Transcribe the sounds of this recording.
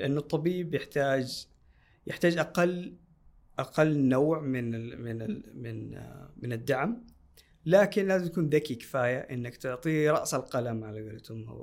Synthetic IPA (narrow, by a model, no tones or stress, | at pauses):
lɪʔanːʊt̪ˤːɑbiːbjɪħt̪aːd͡ʒ | jɪħt̪aːd͡ʒʔaqɑlː | ʔaqɑlːnawʕmɪnmɪnamɪnmɪnad̪ːaʕm | laːkɪnlaːzɪmt̪akuːnðakikɪ̥faːjaʔɪ̰nːakt̪ʊʕt̪ˤiːɾˤɑ̰ʔsalqɑlamʕalaɡalt̪ʊmːa̰w